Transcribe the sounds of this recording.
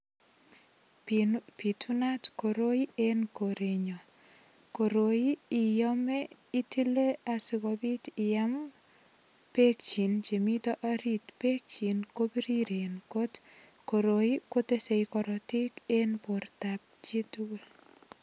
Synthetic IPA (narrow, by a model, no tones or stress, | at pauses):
pitʰunatkoɾoienkoɾeɲɔ | koɾoiːjɔmeitileasikɔbitɪjam | pek̚t͡ʃint͡ʃemitɔʔaɾitpek̚t͡ʃinkobiɾiɾenkot | koɾoikotesejkɔɾɔtikenpoɾtap̚t͡ʃituɡul